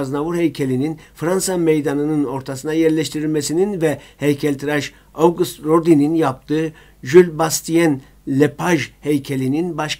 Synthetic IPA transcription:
znavuɾhejcʰelʲininfɾansamejd̪anɯnɯno̞ɾt̪ʰasɯnajɛɾlʲɛʃt̪ʰiɾilʲmɛsininvɛhejcʰɛlʲt̪ʰiɾaʃ | owɡust̪ɾoɾd̪ininjap̚t̪ʰɯː | ʒylʲbast̪ʰijɛn | lʲepʰaʒhejcʰelʲininbaʃ

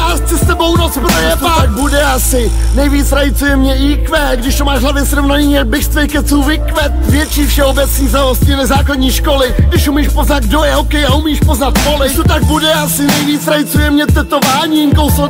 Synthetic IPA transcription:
ast͡sɪst̪ɛbo̞wnot͡spɾojɛat̪aɡ̚budɛasɪnɛjviːt͡sɾajɪt͡sujɛmɲɛiːkvɛːɡdɪʃt̪omaːʃɦlavɛsɾovnaɲiːɲɛbɪʃst̪vɛjkɛt͡suːvɪkvɛt̪̚vjɛt͡ʃiːfʃɛobɛt͡sɲiːznaoscɪnɛzaːkladɲiːʃko̞lɪɡdɪʃumiːʃpoznad̪̚ɡdojɛokɛjaumiːʃpoznat̪polɪt̪ot̪aɡ̚budɛasɪnɛjviːt͡sɾajɪt͡sujɛmɲɛt̪ɛt̪ovaːɲiŋkowso

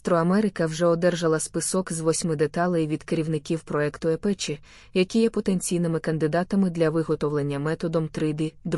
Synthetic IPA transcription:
t̪ɾɔɐmɛɾɪkɐwʒɛɔd̪ɛrʒɐlˠɐspɪsɔkzʋɔsʲmɪd̪et̪ɑlˠɐjʊʋʲid̪keɾʲiwnɪkʲiwpɾɔɛkt̪ʊɛpɛt͡ʃi | jɐkʲijɛpɔt̪enʲt͡sʲijnɪmɪkɐnd̪ɪd̪ɑt̪ɐmɪd̪lʲɐʋɪɦɔt̪ɔʋlˠenʲːɐmɛt̪ɔd̪ɔmt̪ɾɪd̪ɪd̪

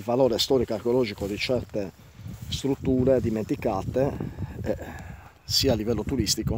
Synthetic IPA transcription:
lvalɔːɾest̪ɔːɾikarkeolɔːd͡ʒikod̪it͡ʃɛrt̪e | st̪ɾut̪ːuːɾed̪iment̪ikaːt̪eɛ | siːalːivɛlːot̪uɾist̪iko

